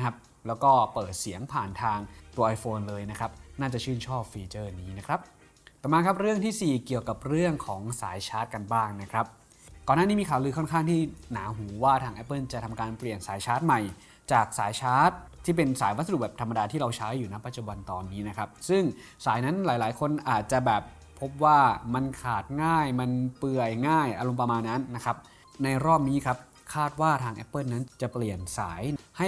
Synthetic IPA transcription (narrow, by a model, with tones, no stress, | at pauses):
kʰa˦˥p̚ | lɛː˦˥wkɔː˥˩pɤː˨˩t̪̚si˩˦əŋpʰaː˨˩nt̪ʰaː˧ŋt̪uː˧ɐʔa˧jfoː˧nlɤː˧jna˦˥kʰɾa˦˥p̚naː˥˩t͡ɕa˨˩t͡ɕʰɯː˥˩nt͡ɕʰɔː˥˩p̚fiː˧t͡ɕɤː˥˩niː˦˥na˦˥kʰɾa˦˥p̚ | p̪ɛː˨˩maː˧kʰa˦˥p̚ɾɯ˥˩əŋt̪ʰiː˥˩siː˨˩ki˨˩əwka˨˩p̚ɾɯ˥˩əŋkʰɔː˩˦ŋsaː˩˦jt͡ɕʰaː˦˥t̪̚ka˧nbaː˥˩ŋna˦˥kʰɾa˦˥p̚ | kɔː˨˩naː˥˩i˦˥miː˧kʰaː˨˩˦wlɯː˧kʰɔ˥˩nkʰaː˥˩ŋt̪ʰiː˥˩naː˩˦ɦuː˩˦waː˥˩t̪ʰaː˧ŋʔɛ˦˥pːɤ˥˩nt͡ɕa˨˩t̪ʰa˧mkaː˧npli˨˩ənsaː˩˦jt͡ɕʰaː˦˥t̪̚ma˨˩j | t͡ɕaː˨˩k̚saː˨˩˦jt͡ɕʰaː˦˥t̪̚ʰːiː˥˩p̬e˧nsaː˩˦jwa˦t̪sa˧d̚bɛː˨˩pt̪ʰa˧mːa˧daː˧t̪ʰiː˥ɾa˧wt͡ɕʰa˦˥jːuː˨˩na˦˥pːa˧t̪̚t͡ɕu˨˩ba˧nt̪ɔː˧nːiː˦˥na˦˥kʰa˦˥p̚sɯ˥˩ŋ | saː˩˦jna˦˥nlaː˩˦jlaː˩˦jkʰo˧nʔaː˨˩t̪̚t͡ɕa˨˩bɛː˨˩p̚ʰːo˦˥p̚waː˥˩ma˧nkʰaː˨˩t̪̚ŋaː˥˩jma˧npɯ˧˩əjŋaː˥˩jʔa˧ɾo˧mp̬ɾa˧maː˧nːa˦˥nːa˦˥kʰa˦˥p̚ | na˧jɾɔː˥˩p̚niː˦˥kʰa˦˥p̚ | kʰaː˥˩t̪̚waː˥˩t̪ʰaː˧ŋʔɛ̰˦˥pːɤː˥˩nːa˦˥nt͡ɕa˨˩pli˨˩ənsaː˩˦jha˥˩